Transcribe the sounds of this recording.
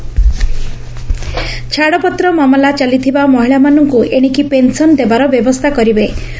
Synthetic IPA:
t͡ʃʰaɽɔpɔt̪ɾɔmamɔlat͡ʃalit̪ʰibamɔɦiɭamanɔŋkueɽ̃ikipensɔnd̪ebaɾɔbjɔbɔst̪ʰakɔɾibe

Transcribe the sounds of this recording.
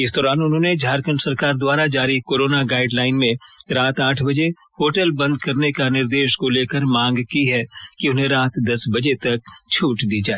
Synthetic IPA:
ɪsd̪ɔːɾaːnʊnɦõːned͡ʒʱaːɾkənsɐɾkaːɾd̪waːɾad͡ʒaːɾikoːɾoːnaɡaːɪɖlaːɪnmẽɾaːt̪aːʈʰbɐd͡ʒe | hoːʈəlbɐ̃nd̪̚kɐɾnekanɪɾd̪eːʃkoleːkəɾmãːŋɡkiɦɛkiʊnɦẽɾaːt̪d̪ɐsbɐd͡ʒet̪ɐk̚t͡ʃʰuːʈd̪iːd͡ʒaːe

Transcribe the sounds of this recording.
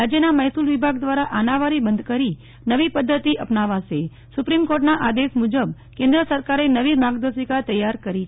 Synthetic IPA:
ad͡ʒjənaməɦt̪ulʋibʱaɡd̪ʋaɾaʔanaʋaɾibənd̪kəɾi | nəʋipəd̪ʱːət̪iʔəpnaʋaʃe | supɾimkoɾʈnaʔad̪eʃmud͡ʒəb̚ | kẽnd̪ɾəsəɾkaɾenəʋibʱaɡd̪əsikat̪əjːaɾkəɾi

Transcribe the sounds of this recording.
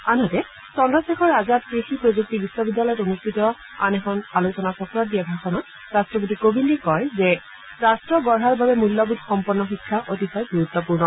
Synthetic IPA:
anɔtɛ | sɔndɔsexʰɔɹazat̚pɹixipɹozuk̚tibisːɔbidːalɔjɔtonustʰitɔ | a̰nɛxʰɔnalusɔnasɔkɔɹɔt̚dijabʱaxɔnɔ | ɹastɹɔp̬otikobʱinɛkɔjzɛ | ɹastɹɔɡɔɹɦaɹbabɛmulːɔbutxɔmpɔnːɔxikʰːaʔotixɔjɡuɹut̪ːɔpuɹnɔ

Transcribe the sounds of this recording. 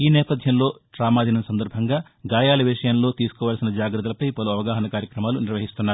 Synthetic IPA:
iːnɛːpɐd̪ʱjɐmlo̞ːʈɾaːmaːd̪inɐsɐnd̪ɐɾbʱɐŋɡaː | ɡaːjaːlɐʋiʂɐjɐmlo̞ːt̪iːsu̥kɔːʋaːlsinɐd͡ʒaːɡɾɐt̪̬ɐlɐpɐjpɐluɐʋɐɡaːɦɐnɐkaːɾjɐkɾɐmaːluniɾʋɐɦist̪unːaːɾu

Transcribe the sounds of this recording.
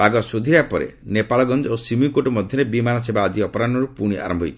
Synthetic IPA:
aɡɔsod̪ʱiɾapɔɾḛnepaɭɔɡɔnd͡ʒɔosimikoʈɔmɔd̪ʱjɔɾebimanɔsebaːd͡ʒiɔpɔɾanɔɾupuɽ̃iʔa̰ɾɔmbʱɦojt͡ʃʰi̥

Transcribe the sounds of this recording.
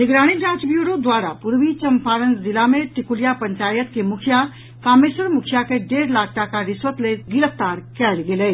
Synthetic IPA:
nɪɡɾaːɽ̃id͡ʒãːt͡ʃbjuːɾod̪waːɾapʊɾʋit͡ʃəmpʰaːɾənsd̪ɪlamẽʈɪkulijapɐ̃ɲt͡ʃaːjət̪kemʊkʰija | kaːmeːsəɾmʊkʰijakeɖeːɾlaːk̚ʰʈakaɾɪsʋət̪leɡɪɾəft̪aːɾkɛːlɡeleː

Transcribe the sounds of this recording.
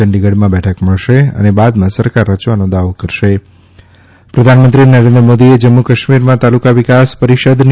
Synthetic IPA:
əɳɖiɡəɽmãbɛʈʰəkməɭʃeə̰nebad̪mãsəɾkaɾːət͡ʃʋanõd̪aʋokəɾʃe | pɾəd̪ʱanmənt̪ɾinəɾẽnd̪ɾəmod̪ied͡ʒəmːukəʃmiɾmãt̪alukaʋikaspəɾiʃəd̪n

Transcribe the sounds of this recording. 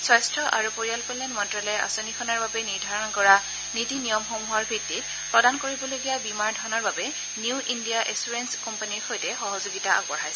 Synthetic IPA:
sɔjstɹɔʔaɹupoɹialpɔlɛnmɔntɹɔlɛja̰sonikʰɔnaɹbabɛniɹdʱaɹɔnɔkɔɹa | nitinijɔmxomuɦɔɹbʱɹitːit̚ | pɹɔdankoɹibɔloɡijabimaɹdʱɔɹnɔɹbabɛ | niuʔindijaʔesuɹenskɔmpaniɹxojtɛxɔɦɔzoɡitaʔa̰kɔɹɦajs

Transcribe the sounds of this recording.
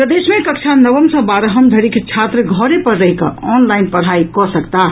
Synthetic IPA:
pɾəd̪eːsmẽkəkt͡ʃʰanəbəmsə̃baɾɦəmd̪ʱəɾikʰt͡ʃʰat̪ɾəɡʱɔɾepəɾːəɦikɔnlaɪnpəɽ̤aikɔsəkt̪a

